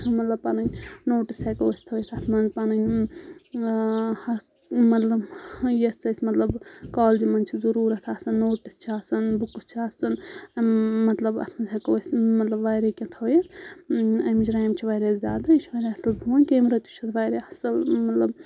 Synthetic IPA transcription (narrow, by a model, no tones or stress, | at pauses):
mɐt̪lɐb̚pɐnɐnʲnoːʈisekowɐsʲt̪ʰɐwjɐt̪ʰɐt̪ʰmɐnzpɐnɐnʲ | hɐ | mɐt̪lɐbjɐst͡sɐsʲmɐt̪lɐbkaːld͡ʒimɐnt͡ʃʰizɐɾuːɾɐt̪ʰaːsɐnːoːʈist͡ʃʰiasɐnbukust͡ʃʰiasɐn | mɐt̪lɐbɐ̰t̪ʰmɐnzʲɦɐkowsʲmɐt̪lɐbʋɐjɾekʲɐ̃t̪ʰɐːjɐt̪ʰ | ɐmit͡ʃʰɾajmt͡ʃʰiʋɐɾɐszaːd̪ɐt͡ʃʰiʋɐjɾeɐsɐlbʱuʋɐnʲkeːmɾɐt̪jut͡ʃʰɐt̪ʰʋɐjɾeɐsɐlmɐt̪lɐb